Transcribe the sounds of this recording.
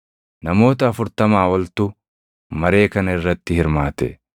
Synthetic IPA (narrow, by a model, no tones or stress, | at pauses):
nɐmo̞ːt̪ɐːfʊɾt̪ɐmaːwɐlt̪ʊ | mɐɾe̞ːkɐnɐɪrːɐt̪ːɪhɪɾmaːt̪ɛ